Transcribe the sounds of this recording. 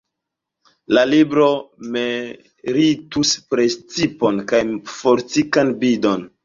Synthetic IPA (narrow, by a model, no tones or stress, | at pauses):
lalibɾome | ɾituspɾest͡sipo̞nkajfoɾt͡sikanbido̞n